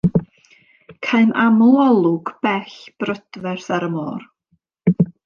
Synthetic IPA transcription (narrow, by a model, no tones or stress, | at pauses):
kʰaɨmʔamʊlˠɔlˠʊɡ̥b̥ɛɬb̥rəd̥vɛrθaɾəmoːr